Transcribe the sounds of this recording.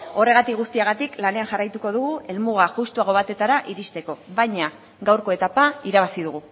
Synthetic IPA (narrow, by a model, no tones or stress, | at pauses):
o̞re̞ɣat̪ikɣust̪iaɣat̪iklane̞anʝarajt̪uko̞ð̞uɣ̞ue̞lmuɣ̞aʝust̪uaɣo̞β̞at̪e̞t̪aɾaʔiɾist̪e̞ko̞βaɲa | ɡawɾko̞e̞t̪apaiɾaβ̞asið̞uɣ̞u